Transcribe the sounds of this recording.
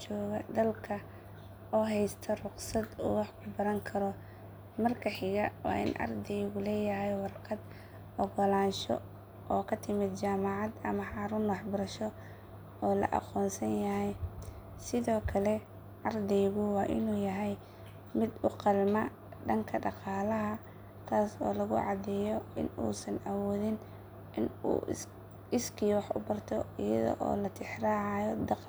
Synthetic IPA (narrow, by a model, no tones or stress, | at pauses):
t͡ʃɔːɣɐd̪ɐlkʰɐ | ɔːɦɛjst̪ʰɐrʊqsɐd̪ṵːwɑħkʰʊbɐɾɐŋkʰɐɾɔ | mɐrkʰɐħɪɣɐwɑ̰ːʔɪ̰nʔɑ̰rd̪ɛjɣʊlɛːjɐɦɛjwɑrqɐd̪ | ɔɣɔlaːnʃɔ̰ | ʔɔːkʰɐt̪ʰɪmɪd̪t͡ʃaːmɑʕɑd̪ɐmɐħɑːɾʊːnwɑħbɐɾɐʃɔ | ɔːlɐ̰ʔɑ̰qɔːnsɐnjɐɦɛj | sɪðɔːkʰɐlɛ | ʕɑrd̪ɛjɣʊwɑːʔɪ̰nuːjɐɦɛj | mɪd̪ʊqɑlmɐ | ɖɐŋkʰɐɖɑqɑːlɐɦɐ | t̪ʰaːsɔ̰ːlɐɣʊ̰ʕɑd̪ɛjɔɪ̰nṵːsɐnʔɐwɔːðɪn | ɪnṵː | ɪskʰiːwɑħʔʊ̰bɐrt̪ʰɔɪjɐ̰ðɔ̰ʔɔ̰ːlɐt̪ʰɪħraːʕɑjɔd̪ɑq